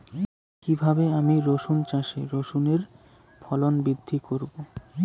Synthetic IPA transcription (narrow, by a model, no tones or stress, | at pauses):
kibʱabeamiɾoʃunt͡ɕaʃeɾoʃuneɾ | fʰɔlonbɾid̪ʱːikoɾbo